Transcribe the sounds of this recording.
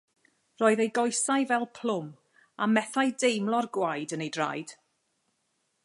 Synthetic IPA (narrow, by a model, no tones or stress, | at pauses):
rɔːɨðejɡɔjsajvɛlˠpʰl̥ʊm | amɛθajdejmlˠɔrɡwajdənejdra̰jd̥